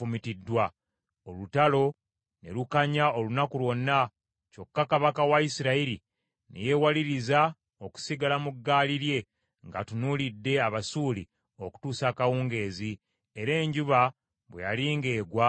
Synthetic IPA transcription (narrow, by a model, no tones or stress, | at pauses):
umitidːwa | olutalo̞ | ne̞̰lukaɲaolunakulwo̞nːa | co̞kːakaβakawaisiɾaiɾi | nḛje̞waliɾiza | o̞ku̥siɡalamuɡːaːliɾje̞ | ŋɡa̰tunulidːe̞aβasulḭ | o̞ku̥tuːsaːkawuːŋɡe̞ːzi | eɾe̞ːɲɟuβa | βwejaliːŋɡe̞ːɡwa